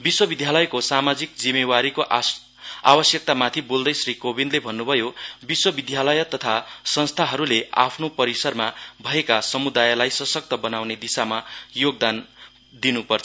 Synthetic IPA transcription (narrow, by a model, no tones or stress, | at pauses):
biswʌbid̪ʱjalʌjkosamad͡zik̚d͡zimewaɾikoʔ | a̰bʌsjʌk̚t̪amat̪ʰibold̪ʌjsrikobind̪lebʱʌnːubʱʌjobiswʌbid̪ʱjalʌjʌt̪ʌt̪ʰasʌnst̪ʰaɦʌɾulea̰pʰnopʌɾisʌrmabʱʌekasʌmud̪ajlajsʌsʌk̚t̪ʌbʌnawned̪isamajoɡ̚d̪an | d̪inupʌrt͡sʰʌ